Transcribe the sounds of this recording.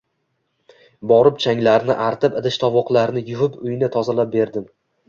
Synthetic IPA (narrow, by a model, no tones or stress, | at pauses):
bɒɾɪpt͡ʃʰaŋlaɾnɪʔaɾt̪ʰɪpɪd̪ɪʃt̪ʰɒvɒqlˠaɾnɪjʊvʊpʊjɪnɪt̪ʰɒzalap̚be̞ɾd̪ɪm